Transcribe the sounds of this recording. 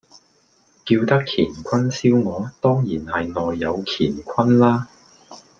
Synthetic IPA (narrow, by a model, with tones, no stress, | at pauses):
kiː˧wt̪ɐ˥kʰiː˨˩nkʷʰɐ˥nsiː˥wŋɔː˨˧t̪ɔː˥ŋjiː˨˩nhɐ˨jnɔː˨jːɐ˨˧wkʰiː˨˩nkʷʰɐ˥nlaː˥